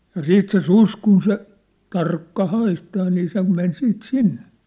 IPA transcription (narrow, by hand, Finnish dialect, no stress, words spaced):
jɑ siːt se sus kun se tɑrkːɑ hɑistɑː niː se men siːt sinːe